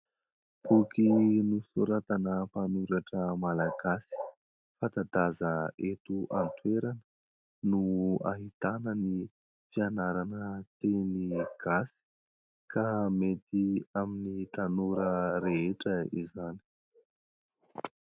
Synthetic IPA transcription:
b̥ukinusoɾat̪anəpanuɾaʈ͡ʂəmalaɡasi̥ | fat̪ad̪azəet̪uʔant̪weɾanə | nua̰ɦit̪anəni | fianaɾanət̪eniɡ̥asi̥ | kamet̪iaminit̪anuɾəɾeeʈ͡ʂəḭzani̥

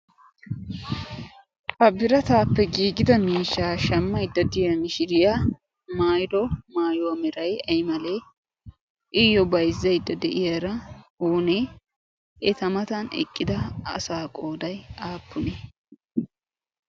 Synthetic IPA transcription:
hɐbɪɾɐt̪aːpːɛɡiːɡɪd̪ɐmiːʃːaːʃɐmːɐjd̪ːɐd̪ɪjɐmɪʃɪɾɪja | maːjd̪ɔmaːjɔwɐmɛɾɐjɐjmɐle | ʔɪjːɔbɐjzːɐjd̪ːɐd̪ɛʔɪjɐɾɐuːne | ɛt̪ɐmɐt̪ɐnɛ̰kʼːɪd̪ɐɐ̰saːkʼo̞ːd̪ɐjaːpːʊnɛ

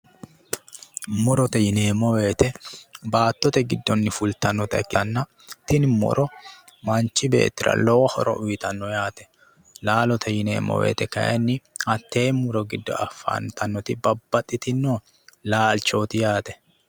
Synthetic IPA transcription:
mʊɾɔt̪ɛjɪneːmɔwe̞ːt̪ɛbaːt̪ːɔt̪ɛɡɪd̪ːɔnːɪfʊlt̪ɐnːɔt̪ɐɛkːɪɐnːɐ | t̪ɪnmɔ̰ɾʔɔ | mɐnt͡ʃːɪbe̞̰ːt̪ːɪɾɐ̰lɔwɐhɔɾɔ̰ʔʊjɪt̪ɐnːɔjaːt̪ɛ̥ | laːlɔt̪ʰɛjɪnḛːmːɔ̰we̞̰ːt̪ɛkɐ̰jɛ̰nːɪɐt̪ːe̞ːmʊɾɔɡɪd̪ːɔ̰ɐ̰fːa̰nt̪ɐnːɔt̪ɪbɐbːɐt̪ʼːɪt̪ɪnːoː | laːlt͡ʃo̞ːt̪ɪjaːt̪ɛ̥

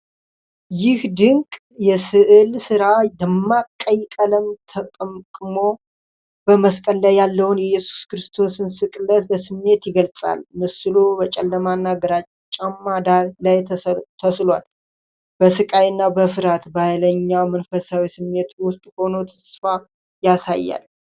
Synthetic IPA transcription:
jɪhd̪ɨŋkʼ | jɛsɨʔɨlsɨɾaləmːakʼːəjkʼələmt̪ʰəkʼəmkʼɨmo̞ | b̥əməskʼəlːajalːəwunjɛjɛsu̥skɨɾɨst̪ʰo̞sɨnsɨkʼɨlːət̪bəsɨmːe̞t̪jɪɡəlt͡sʼa̰lmɨsɨlubət͡ʃʼɛlːəmanːaɡəɾat͡ʃʼt͡ʃʼːamːad̪aɾlajtʰt̪ʰəslal | b̥əsɨkʼajɨnːabəfɨɾat̪bajləɲːawmənfəsawisɨmːe̞t̪wʊst̪ʼho̞no̞t̪ʰə̥sfa | jasa̰jːa̰l

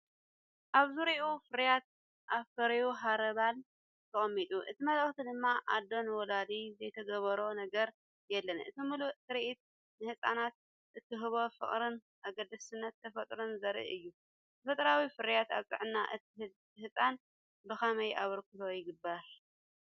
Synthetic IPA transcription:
ʔaβzɨɾiʔofɨɾjat̪̚ | ʔaβfɐɾɐjuɦaɾɐβal | t̪ʰɨχʼɐmːit̪ʼuʔɨt̪ʰimɐləχt̪ʰid̪ɨmːaʔad̪o̞nwɔlad̪izɐjt̪ʰɐɡɐβɐɾonɐɡɐɾ | jɛlːɐnɨ̰t̪ʰimɨluʔt̪ʰɨɾiʔit̪̚ | nɨhɨsʼa̰nat̪̚ | ʔɨt̪ʰːɨɦɨβo̞fɨ̰χʼɾɨn | ʔaɡɐd̪ɐsɨnːɐt̪ʰːɐfɐt̪ʼɾɨnzɐɾʔḭʔɨjːu | t̪ʰɐfɐt̪ʼɾawifɨɾjat̪a̰βt͡sʼɨ̰ʕɨnːaʔɨ | hɨsʼan | bɨkɐmɐjʔaβɐɾkʰut̪ʰo̞jɪɡɨbːaɾ

